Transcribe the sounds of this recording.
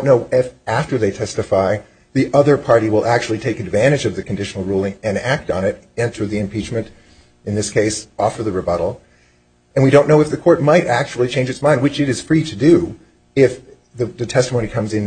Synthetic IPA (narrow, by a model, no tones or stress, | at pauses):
noʊʔɪfæftə˞ðeɪtʰɛstɨfaɪ | ðiʔʌðə˞pʰɑɹɾiwəlˠʔæk̚t͡ʃʉl̩ˠitʰeɪkɨdvæ̃ɾ̃ɨd͡ʒʌvðɨkʰn̩dɪʃn̩l̩ˠɹulˠɪ̃ŋɨ̃næk̚tn̩ɪɾ | ɛ̃ntʰə˞ðiɨ̃mpʰit͡ʃmɨ̃nt | ɨ̃nðɪskʰeɪsɔfə˞ðɨɹɨbʌɾl̩ˠ | ɨ̃nwiɾõʊ̃nːoʊɨfðɨkʰɔɹt̚maɪɾæk̚t͡ʃul̩ˠit͡ʃʰẽɪ̃nd͡ʒɨtsmãɪ̃ndwɨt͡ʃɨɾɨz̥fɹiɾɨdɨ | ɪf | ðɨðɨtʰɛstəmoʊñikʰʌ̃mzɨ̃n